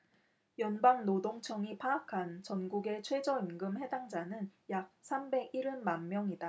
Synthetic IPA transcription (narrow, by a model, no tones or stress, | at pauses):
jʌnbaŋnodoŋt͡ɕʰʌŋipʰaːkʰant͡ɕʌnɡuɡe̞t͡ɕʰwe̞d͡ʑʌinɡɯmhe̞daŋd͡ʑanɯnjak̚sʰambe̞ɡiɾɯnmanmjʌŋida